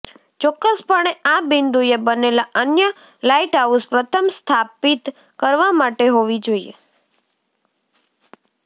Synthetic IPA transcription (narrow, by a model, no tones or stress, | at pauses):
t͡ʃɔkːəspəɳ̃eabind̪ujebənelaʔənjə | laiʈauspɾət̪ʰəmst̪ʰapit̪ | kəɾʋamaʈeɦoʋid͡ʒoiḛ